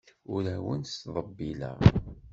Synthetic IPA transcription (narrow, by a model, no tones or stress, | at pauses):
ʊɾæwənsðˤəbːilæ̰